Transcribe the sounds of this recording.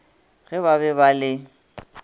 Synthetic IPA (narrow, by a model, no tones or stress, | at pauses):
ɣɛβabɛbalɪ